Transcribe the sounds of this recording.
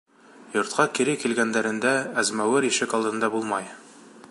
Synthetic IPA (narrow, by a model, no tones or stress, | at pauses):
jŏɾt̪̚qɑkiɾɘkilɡænd̪æɾɘ̆nd̪ææzmæwɘɾiʃɘkɑlˠd̪ɤ̆nd̪ɑbulˠmɑj